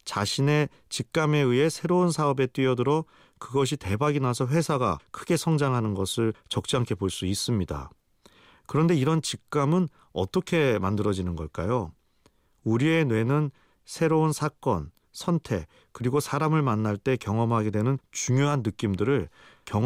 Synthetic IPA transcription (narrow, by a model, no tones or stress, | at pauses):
t͡ɕaɕʰine̞ | t͡ɕik̚k͈ame̞ɯe̞sʰe̞ɾounsʰaʌbe̞t͈wɥiʌdɯɾʌ | kɯɡʌɕ̬ʰite̞baɡinasʰʌɸwe̞sʰaɡa̰kʰɯɡe̞sʰʌŋd͡ʑaŋɦanɯnɡʌsʰɯɭt͡ɕʌk̚t͡ɕ͈iaŋkʰe̞boɭs͈uis͈ɯmɲida̰ | kɯɾʌnde̞iɾʌnt͡ɕik̚k͈amɯn | ʌ̰t͈ʌkʰe̞mandɯɾʌd͡ʑinɯnɡʌɭk͈a̰jo | uɾie̞nwe̞nɯn | sʰe̞ɾounsʰak͈ʌ̰n | sʰʌntʰe̞ | kɯɾiɡosʰaɾamɯɭmanːaɭt͈e̞kjʌŋʌmɦaɡe̞dwenɯnt͡ɕuŋjoɦanːɯk͈imdɯɾɯɭ | kjʌ